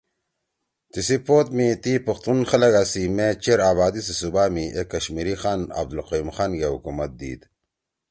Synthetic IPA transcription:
t̪isipoːt̪mit̪ipɐxt̪unxɐlɐɡaːsimet͡ɕeɾaːβaːd̪isesubaːmiʔekːɐɕmiɾixaːnɐ̰b̚d̪ulqɐjimxaːnɡehukumɐt̪̚d̪ḭːd̪

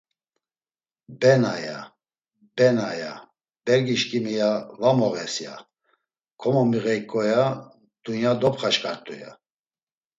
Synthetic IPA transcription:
bɛnaja̰ | b̥ɛnaja | b̥ɛɾɡiʃkʼimijavamɔɣɛsja̰ | kʰɔmɔmiɣɛjkʼɔja | d̪̥unjad̪ɔpχaʃkʼaɾt̪ʼuja̰

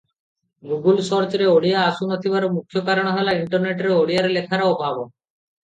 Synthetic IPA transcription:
ɡuɡulʃɔɾt͡ɕɾeoɽiaaʃunot̪ʰibaɾomukʰːjokaɾaɽ̃ɦelaiɳʈoɾneʈɾeoɽijaɾelekʰaɾaobabo

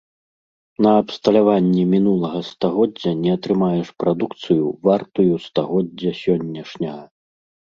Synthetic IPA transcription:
nɐːpst̪ɐlʲavanʲːɛmʲinulˠɐɣɐst̪aɣɔdd͡zʲːɐnʲɛɐt̪ɾɨmajɛʂpɾad̪ukt̪sɨjuvart̪ujust̪aɣɔdd͡zʲːɐsʲɔnʲːɐʂnʲɐɣɐ

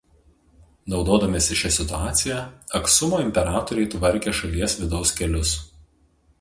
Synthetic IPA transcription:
nɒʊd̪oːd̪ɐmʲesʲɪʃʲɛsʲɪt̪ʊɑːt̪sʲɪjɛɐksʊmoːɪmʲpʲɛɾɑːt̪ɔɾʲɛɪt̪ʋɐɾʲkʲeːʃɐlʲiɛsʋʲɪd̪ɒʊskʲɛlʲʊs

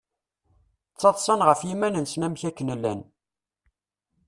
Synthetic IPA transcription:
t͡sːɑt̪ˤsˤɑnʁəfjimænənsnæmçækːənəlːæ̰n

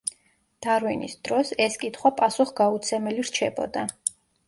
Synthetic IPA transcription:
d̪̥aɾwinḭsd̪̥ɾɔsɛskʼit̪ʰχwapʼasuχɡaut̪sʰɛmɛliɾt͡ʃʰɛbɔ̰d̪a

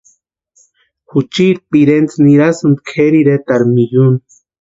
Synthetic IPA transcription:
xut͡ʃiɾpiɾent͡sniɾasund̪̚kʰeɾiɾet̪aɾmijun

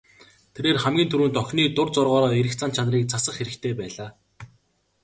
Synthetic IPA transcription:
t̪ʰeɾeːrχæmɡʲiːnt̪ʰuɾuːnt̪œxʲniːt̪ʊrt͡sʊrʁɔːɾɔːeɾɘ̆xt͡sʰant͡ɕʰanriːk̚t͡sʰasə̆χxeɾɘ̆kt̪ʰeːpæːɮaː

